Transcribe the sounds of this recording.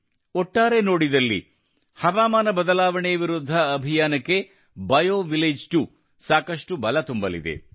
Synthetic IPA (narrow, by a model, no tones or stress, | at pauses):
ɔʈːaːɾeno̞ːɽid̪ɐlːḭ | hɐʋaːmaːnɐbɐd̪ɐlaːʋɐɳeʋiɾud̪ʱːɐːbʱijaːnɐkːe̞ | bɐjoːʋileːd͡ʒʈu | saːkɐʂʈubɐlɐt̪umbɐlḭd̪e̞̰